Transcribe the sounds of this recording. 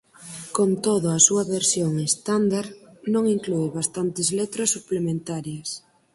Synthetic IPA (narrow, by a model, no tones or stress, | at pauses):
kont̪oðoasuɐβeɾsjoŋest̪and̪aɾnõŋiŋklueβast̪ant̪ɪzlet̪ɾasːuplemẽnt̪aɾjɐs